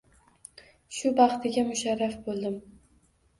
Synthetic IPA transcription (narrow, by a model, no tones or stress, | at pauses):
ʃʊbɑχt̪ʰɪɡʲamʊʃaɾːafbolˠd̪ɪm